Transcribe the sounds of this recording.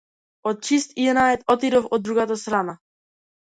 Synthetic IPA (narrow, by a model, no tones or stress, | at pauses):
ɔt̪̚t͡ʃist̪inaɛt̪ɔt̪iɾofɔd̪ːɾuɡat̪ast̪ɾana